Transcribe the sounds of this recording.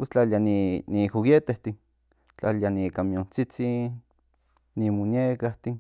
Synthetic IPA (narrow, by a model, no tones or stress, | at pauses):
pwest͡ɬalianinixuɣet̪eht̪in | t͡ɬalianikamjont͡sit͡sinː | imonjekaht̪in